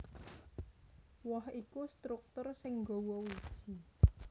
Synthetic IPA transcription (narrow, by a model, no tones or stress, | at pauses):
wɔhikust̪ɾuk̚t̪ʊrsɪŋɡowɔwud̥ʒ̥i̤